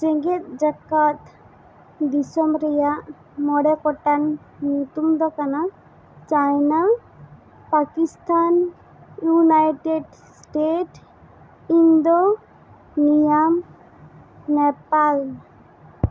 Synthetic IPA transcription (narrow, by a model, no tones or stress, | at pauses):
siŋɡit̪̚d͡ʒakat̪ | d̪isɔmɾɛjaʔ | mɔɽekɔʈanː | ut̪umd̪ɔkana | t͡ʃajna | pakist̪an | junajʈeɖ | sʈeʈ | ind̪o | nijam | nɛpal